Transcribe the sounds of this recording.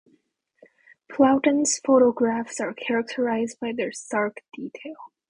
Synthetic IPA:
pʰlaʊʔn̩z̥foʊɾoɡɹæfsɑɹkʰɛɹək̚tʰəɹaɪzdbaɪðəɹsɑɹkd̥itʰeɪlˠ

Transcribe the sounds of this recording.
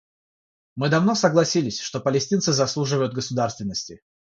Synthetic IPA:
mɨd̪ɐvno̞səɡlˠɐsʲilʲɪsʲʂt̪o̞pəlʲɪsʲtʲint̪sɨzɐslˠuʐɨvəjʊd̪ɡəsʊd̪arst̪vʲɪnːəsʲtʲɪ

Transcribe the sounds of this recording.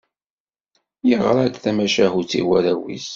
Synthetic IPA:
jəʁɾˤad̪θæmæʃæɦut͡sːḭwæɾæwḭs

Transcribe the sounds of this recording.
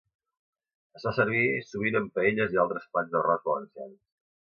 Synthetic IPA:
əzfasəɾβ̞isuβ̞inəmpəeʎəzialˠt̪ɾəspanzðərɔzβələnsians

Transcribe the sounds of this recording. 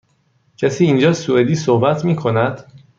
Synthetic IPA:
cʰæsiːnd͡ʒɒːsued̪iːsohbæt̪ʰmiːkʰo̞næd̪̥

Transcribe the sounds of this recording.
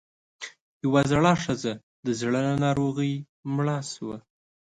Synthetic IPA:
jawazaɽɑʂəza | d̪əzɽananɑɾoɣəj | mɭɑswa

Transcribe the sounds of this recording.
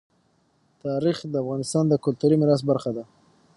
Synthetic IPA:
t̪ɑɾixd̪əafɣɑnɪst̪ɑnd̪əkʊlt̪uɾimɪɾɑs̬t̪̚baɾxad̪a

